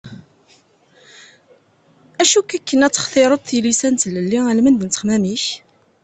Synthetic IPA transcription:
æʃukːækːənæt͡sːə̥χθeɾˤəd̪θilisænt̪ləlːiælmənd̪ənt̪ə̥χmæmiç

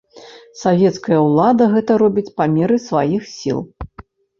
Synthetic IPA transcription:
savʲɛt̪skɐjɐwlˠad̪ɐɣɛt̪ɐɾɔbʲit͡sʲpamʲɛɾɨsvajixsʲḭlˠ

